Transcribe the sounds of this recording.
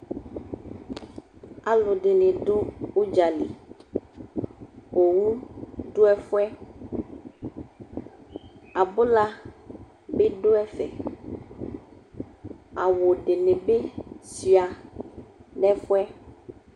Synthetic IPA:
a˨lo˨ɖe˨nẽ˨ɖo˦wo˦d͡ʒa˨li˨ | wo˨wu˦ɖo˦ɛ˦fʊ˦ɛ˦ | a˨bo˦la˦ | be˦ɖo˦ɛ˦fɛ̰˨ | a˨wo˨ɖe˨ne˨be˦si˨a˨ | nɛ˦fʊ˦ɛ˦

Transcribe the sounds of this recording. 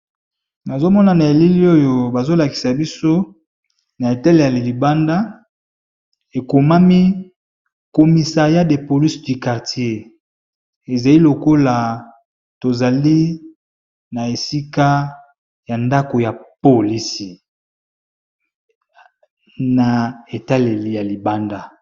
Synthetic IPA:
na˨zo˦mɔ˦na˨na˨e˨li˦li˦o˦jo˨ba˨zo˦la˨ki̥˨sa˨bi˦so˦ | na˨e˨ta˦le˨ja˨le˨li˨ba˦nda˦ | e˨ko˨ma˦mi˦ | ko˨mi˨sa˨ʁja˦de˨po˨li˦sdy˨ka˨ʁti˨˦e˦ | e˨za˨li˦lo˨ko˦la˨ | to˨za˨li˦ | na˨e˨si˦ka˦ | ja˨nda˦ko˨ja˨po˨li˦si˨ | na˨e˨ta˦le˨lja˨li˨ba˦nda˦˨

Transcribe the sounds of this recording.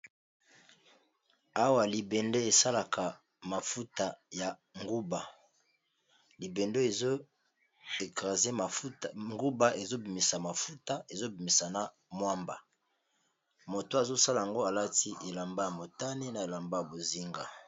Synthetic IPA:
a˦wa˨li˨be˨ndo˦e˨sa˦la˨kʰa˨ | ma˨fu˦ta˨ja˨ŋɡu˦ba˨ | li˨be˨nde˦e˨zo˦ | e˨kʁa˨ze˦ma˨u˦tŋɡu˦ba˦ʔe˨zo˦bi˨mi˨sa˨ma˨fu˦ta˦e˨zo˦bi˨mi˨sa˨na˨ | mwa˦mba̰˨ | mo˨to˨˦a˨zo˦sa˦la˨ja˨ŋɡo˦a˨la˦ti˦ʔe˨la˨mba˦ja˨mo˨ta˦ne˦na˨e˨la˨mba˦ja˨bo˨zi˦ŋɡa˨

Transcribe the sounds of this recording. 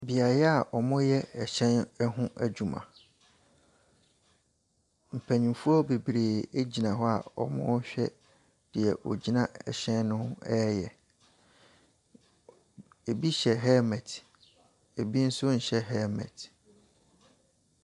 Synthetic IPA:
bi˨a˨jɛ˦a˨ʔɔ˨mʊ̃˦jɛ˦ɛ˨ɕɛ̃˦n˦ɦʊ̃˦ʔæ˨d͡ʑu˨mã̰˨ | m̩˨pʰæ˨ɲĩ˨fu˦ɔ˦be˨bɾeː˨e˦d͡ʑi˨nã˨ɦɔ˦a̰˨ɔ̰˨mʊ̰̃˦ɕᶣɛ˦ | d̥ɪ˨ɛ˨ʔɔ̰˨d͡ʑi˦nã˦ɛ̰˨ɕɛ̃˦nnʊ̃˦ʊ̃˦ɛ˦jɛ˨ | e˨bi˦ɕɛ˨ɦɛ˦mɛ˨tʰ | e˨bi˦n̩˦sʊ˦ɲ̩˨ɕɛ˦ɦɛ˦mɛ̰˨t

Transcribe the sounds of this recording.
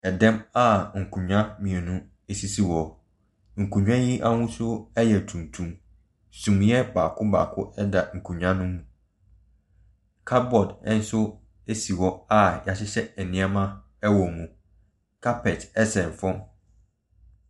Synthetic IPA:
ɛ˨dɛ̃˦ma˦ŋ̩˨kʰũ˨ɲᶣã˦mĩ˨ɛ˨nũ˦ | e˨si˦si˦˨wɔ˨ | ŋ̩˨kʰũ˨ɲᶣ˦ã˦ji˦ʔa˦wʊ̃˦sʊ˦ɛ˦jɛ˨tʰũ˨n˨tʰũ˨m | sũ˨m˦jɛ˦baː˨kʰʊ˦ba̰ː˨kʰʊ̰˦ʔɛ˦da˨ŋ̩˨kʰũ˨ɲᶣã˦nʊ̃ː˦ũ˨ | kʰa˦t̚bɔ˨dɛ̃˦n̩˦sʊ˦ | e˦si˨wɔ˦a˦˨ja˨ɕɪ˦ɕɛ˦ɛ˨nɪ̃˦a˦mã˦ | ɛ˦wɔ˨mũ˨ | kʰa˦pʰɛ˨tɛ˦sɛ̃˨ɱ˨fɔ̃˦

